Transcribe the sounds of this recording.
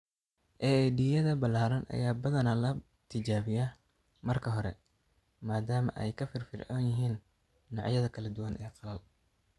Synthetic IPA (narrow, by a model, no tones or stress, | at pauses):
ʔɛɛd̪ijɐðɐbɐlaːɾɐnʔɐ̰jaːbɐðɐnɐlɐ | t̪ʰɪt͡ʃaːβɪjaː | mɐrkʰɐɦɔɾɛ̰ | maːd̪aːmɐ̰ʔɛ̰jkʰɐfɪrfɪrʔa̰njɪɦiːnː | ɑʕjɐðɐkʰɐlɐd̪ʊwɐnʔɛ̰ːqɑlɐl